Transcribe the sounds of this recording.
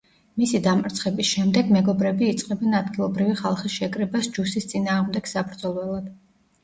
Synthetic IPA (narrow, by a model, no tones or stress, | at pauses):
misid̪amʼɾt̪sʰχɛbisʃɛmd̪ɛɡmɛɡɔbɾɛbiːt̪sʼqʼɛbɛnad̪ɡilˠɔbɾiviχalˠχisʃɛkʼɾɛbasd͡ʒusist̪sʼinaːʁmd̪ɛɡ̥sabɾd̪zɔlˠɛlˠad̪̥